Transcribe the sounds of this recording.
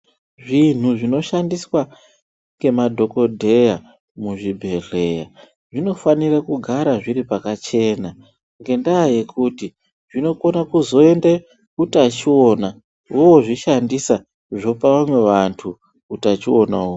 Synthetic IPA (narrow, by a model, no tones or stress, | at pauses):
ʐin̤uʐino̞ʃandiswa | ŋɡe̞madʱo̞ko̞dʱe̞ja | muʐibʱe̞re̞ja | ʐino̞fanirakuɡʱaɾaʐiɾipakat͡ʃe̞na | ŋɡe̞ndaːje̞kuti | ʐino̞ko̞nakuzo̞e̞nde | kutat͡ʃio̞na | wowoʐiʃandisa | ʐo̞paʋamwe̞ʋantʰu | kutat͡ʃio̞na̰o